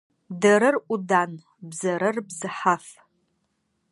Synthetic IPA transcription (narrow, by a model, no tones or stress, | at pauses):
dɐɾɨrʔʷʼʊdan | bzɐɾɨrbzɨħaf